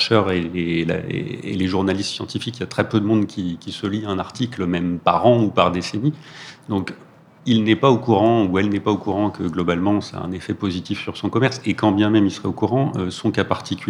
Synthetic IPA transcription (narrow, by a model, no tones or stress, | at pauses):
ʃœʁeela̰ḛḛleʒuʁnalist̪sjɑ̃t̪ifikijat̪χɛpød̪əmɔ̃d̪kʲikʲisəliɛ̃naʁt̪ikləmɛmpaʁɑ̃upaʁd̪esenid̪ɔ̃k | ilnɛpaokuʁɑ̃uɛlnɛpaokuʁɑ̃kəɡlɔbalmɑ̃sa̰ɛ̰̃nefɛpozit̪ifsyʁsɔ̃kɔmɛʁsekɑ̃bjɛ̃mɛmilsəʁɛokuʁɑ̃ʔøsɔ̃kapaʁt̪ʰikʲy